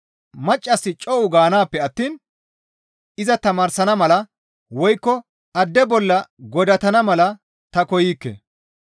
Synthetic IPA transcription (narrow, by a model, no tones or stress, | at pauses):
mɐt͡ʃʼːɐsːɪt͡ʃʼɔʔʊɡaːnaːpːɛɐt̪ːiːn | ɪzɐt̪ɐmaːɾsɐnɐmɐlɐ | wɔjkːɔ | ɐd̪ːɛbɔlːɐɡɔd̪ɐt̪ɐnɐmɐlɐ | t̪ɐkɔjiːkːḛ